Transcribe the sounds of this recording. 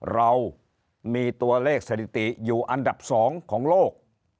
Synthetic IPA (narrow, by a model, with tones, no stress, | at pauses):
ɾa˧w | miː˧t̪u˧ɐleː˥˩k̚sa˧t̪ʰi˨˩t̪i˨˩juː˨˩ʔa˧nda˨˩p̚sɔː˩˦ŋkʰɔː˩˦ŋloː˥˩k̚